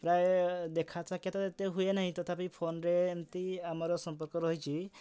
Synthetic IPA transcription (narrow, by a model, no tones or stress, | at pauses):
pɾaed̪ekʰat͡ʃakjat̪aet̪eɦuenaɦĩt̪ɔt̪ʰapipʰonɾeːnt̪iamaɾɔsɔmpɔɾkɔɾɔɦit͡ʃʰi